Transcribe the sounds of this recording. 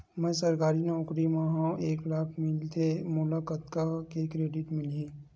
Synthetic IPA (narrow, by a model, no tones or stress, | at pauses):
mɛ̃ːsɐɾkaːɾineʊkɾimãɦãeːklaːkmɪlt̪ʰemʊlakət̪kakekɾeːɖɪʈmɪliẽː